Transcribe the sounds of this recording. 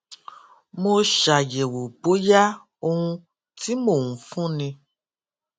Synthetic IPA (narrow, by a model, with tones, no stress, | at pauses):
mo˧ʃa˨je˨wo˨bo˨˦ja˦ | o˧hũ˧ | ti˦mo˨ŋũ˨fũ˦nĩ˧